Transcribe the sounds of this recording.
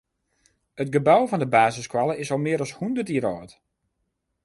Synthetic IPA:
ət̚ɡəbawvɔndəbaːzəskwalˠəɪsɔlˠmɪəɾɔshundərtiəɾɔːt

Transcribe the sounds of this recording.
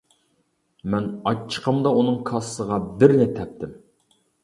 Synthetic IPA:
mɛnɑt͡ʃʰːə̥qʰəmd̪ɑunɨŋkʰɑssəʁɑbɪɾnɪt̪ʰɛp̚t̪ɪm

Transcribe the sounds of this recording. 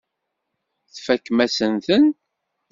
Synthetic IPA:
θfækːmæsənθən

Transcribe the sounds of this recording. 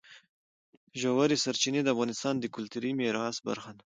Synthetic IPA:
ʒawaɾisaɾt͡ʃined̪əafɣɑnɪst̪ɑnd̪əkʊlt̪uɾimeɾɑsba̰ɾxan

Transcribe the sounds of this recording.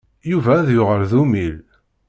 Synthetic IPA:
juvæðjʊʁəɾðumil

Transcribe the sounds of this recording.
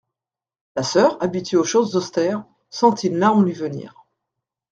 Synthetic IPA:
lasœʁabit̪ɥeoʃozzɔst̪ɛʁ | sɑ̃t̪ʰilːaɔ̃lɥivənḭːʁ

